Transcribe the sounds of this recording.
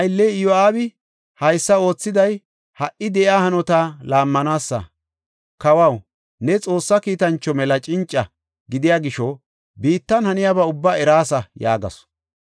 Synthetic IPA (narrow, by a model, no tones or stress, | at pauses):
hɐjlːɛɪjɔaːbɪ | hɐjsːɐo̞ːt͡sːɪd̪ɐj | hɐʔɪd̪ɛʔjaːhɐnɔt̪alaːmːɐnaːsːɐ̰ | kɐwɐw | nɛt͡sʼo̞ːsːɐkiːt̪ɐnt͡ʃːɔmɛlɐt͡ʃʼɪnt͡ʃʼːɐ | ɡɪd̪ɪjaːɡɪʃɔ | biːt̪ːɐnhɐnɪjaːbɐʊbːaːɛɾaːsɐja̰ːɡɐ̰s